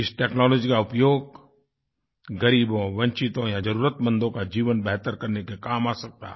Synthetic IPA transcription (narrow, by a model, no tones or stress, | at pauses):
ɪsʈɛːknɔːlɔːd͡ʒikaʊpjoːɡ̚ | ɡɐɾiːbõʋɐ̃ɲt͡ʃɪt̪õjad͡ʒɐɾuːɾət̪bə̃nd̪ʱõkad͡ʒiːʋənbɛɦt̪əɾkɐɾnekekaːmaːsɐk̚t̪a̰ɦɛ